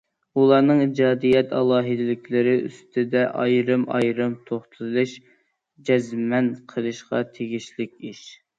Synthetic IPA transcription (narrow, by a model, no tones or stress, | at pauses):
ulˠɑɾnɨŋid͡ʒɑːd̪ijɛt̪ɑ̰lˠɑːɦɨd̪ɪlɪkʲlɪɾɪy̰st̪ʰɪd̪ɛʔɑjɾɨmɑ̰jɾɨmt̪ʰoχt̪ʰɨlˠɨʃ | d͡ʒɛzmɛnqʰəlˠɨʃqɑ̰t̪ʰeɡʲiʃlɪkʲiʃ